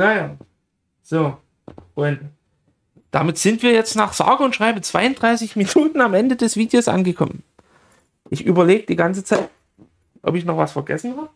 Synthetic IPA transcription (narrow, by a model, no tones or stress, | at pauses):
jajaː | z̥oː | ʔʊnt | d̥amɪtz̥ɪntv̥iːɐjɛt͡stnaːχz̥a̰ːɡəʊntʃʁ̥aɪbət͡sv̥aɪʊntd̥ʁaɪsɪçminuːtn̩amʔɛndədɛsv̥iːdejoːsʔa̰nɡəkʰɔ̰mən | ʔɪçʔyːbɐleːɡəd̥iːɡant͡sət͡saɪt̚ | ʔɔ̰pɪçnɔχv̥asfɐɡɛ̰sn̩haːbə